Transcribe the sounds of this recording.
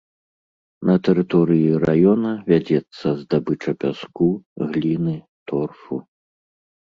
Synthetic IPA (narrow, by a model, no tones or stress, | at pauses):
nɐt̪ɛɾɨt̪ɔɾɨjiɾajɔnɐvʲad͡zʲɛt̪sːɐzd̪abɨt͡ʂɐpʲaskuɣlʲinɨ | t̪ɔrfṵ